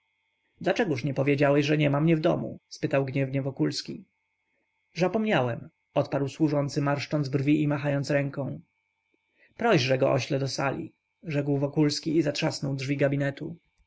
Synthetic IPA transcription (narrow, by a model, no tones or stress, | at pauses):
d̪lat͡ʂɛɡuʂɲɛpɔvʲjed͡ʑawɛɕʐɛɲɛmamɲɛvd̪ɔmṵspɘt̪awɡɲɛvɲɛvɔkulskʲi | zapɔmɲawɛm | ɔt̪paɾwswuʐɔnt̪sɘmaɾʂt͡ʂɔnzbrvʲiʔimaxajɔnt̪sɾɛŋkɔ̃w̃ | pɾɔʑʐɛɡɔʔɔ̰ɕlɛd̪ɔsa̰lʲḭ | ʐɛkwvɔkulskʲiːzatʂasnɔwdʐvʲiɡabʲinɛt̪u